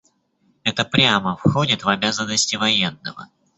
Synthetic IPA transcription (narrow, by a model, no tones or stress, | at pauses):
ɛt̪əpɾʲaməfxodʲɪt̪vɐbʲazənːəsʲtʲɪvɐjenːə̰və̰